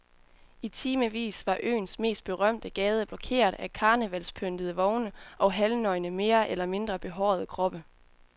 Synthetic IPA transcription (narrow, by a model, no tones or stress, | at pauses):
it͡sʰiːməʋḭːsʋɑ̈ʔø̰ːnsme̝̰ːsd̥̚b̥e̝ʁɶm̰d̥əɡ̥ɛːð̞ˠəb̥lɒ̽kʰe̝̰ːɐðˠækʰɑ̈ːnəʋæl̰spʰøn̰d̥əðˠəʋɒʊnəʔɒ̽ɦælnɒ̽ɪnəme̝ːɐʔelɐme̝nd̥ʁɐb̥e̝ɦɒːð̞ˠəkʰʁɒ̽b̥ə